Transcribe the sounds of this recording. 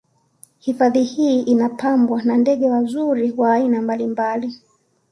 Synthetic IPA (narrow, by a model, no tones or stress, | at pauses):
hifaðihiːʔinapambwanandɛɠɛwazuɾiwaːinambalimbali